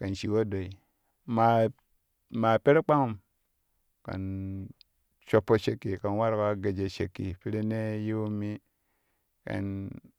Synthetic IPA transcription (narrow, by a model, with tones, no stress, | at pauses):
ka˨nʃi˨wo˦do˨i˨ | ma˨ | ma˨pe˦ɾe˦k͡pa˦ŋu˨m | ka̰˨n | ʃo˨pːo˦ʃe˨kːi˨ka˨nwa˦ɾka˦ɡe˨d͡ʒe˨ʃḛ˨kːḭ˨pi˦ɾe˦ne˦ji˦wu˦mːi˦ | ka̰˨n